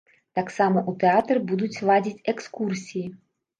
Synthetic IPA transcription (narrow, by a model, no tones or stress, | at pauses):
t̪aksamɔʔut̪ɛat̪rbud̪ut͡sʲlˠadʲit͡sʲɛkskursʲiji